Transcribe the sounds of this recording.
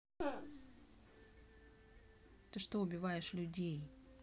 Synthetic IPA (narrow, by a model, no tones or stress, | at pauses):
t̪ɨʂt̪oʊbʲɪvajɪʂlʲʊdʲej